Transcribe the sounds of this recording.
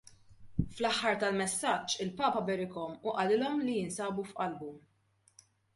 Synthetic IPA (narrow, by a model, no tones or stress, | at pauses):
flɐħːɐɾt̪ɐlmɛsːɐt͡ʃːɪlpɐːpɐbɛɾɪkɔmʊʔɐlɪlɔmlijɪnsɐːbufʔɐlbu